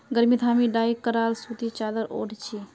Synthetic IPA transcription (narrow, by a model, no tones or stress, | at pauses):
ɡəɾmit̪ʰaːmiɖaːikəɾaːlsut̪it͡ʃaːd̪əɾo̰ɽt͡ʃʰi